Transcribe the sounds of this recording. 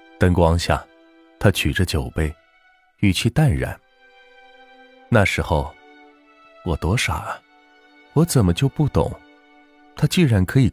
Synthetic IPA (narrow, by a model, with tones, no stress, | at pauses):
t̪ə˥ŋkwɑ˥ŋɕja̰˥˩ | t̪ʰa˥t͡ɕʰy˨˩ʈ͡ʂə˥˧t͡ɕjo˨˩ʊpe˥˩ɪ | y˥˩t͡ɕʰy˥˧t̪a˥˩nɻa̰˨˧˦n | na˥˩ʂɻ̩˧˥xo˥˧ʊ | wɔ˨˩t̪wɔ˥ʂa̰˨˩ə˦ | wɔ˧˥t͡sə˨˩mə˦t͡ɕjo˥˧ʊpu˥˩t̪ʊ̰˨˩˦ŋ | t̪ʰa˥t͡ɕi˥˩ɻa˧˥nkʰɤ˧˥i˨˩